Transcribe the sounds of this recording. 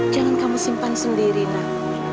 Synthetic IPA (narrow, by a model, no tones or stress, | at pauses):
d̥d͡ʒ̥aŋankamusimpansəndiɾina